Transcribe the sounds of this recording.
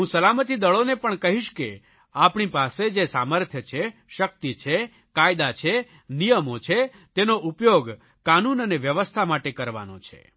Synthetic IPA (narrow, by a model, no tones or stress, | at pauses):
ɦũsəlamət̪id̪əɭonepəɳkəɦiʃke | apɳipased͡ʒesaməɾt̪ʰjət͡ʃʰeʃək̚t̪it͡ʃʰe | kajd̪at͡ʃʰe | nijəmot͡ʃʰe | t̪enoʔupjoɡ | kanunəneʋjəʋəst̪ʰamaʈekəɾʋa̰no̰t͡ʃʰḛ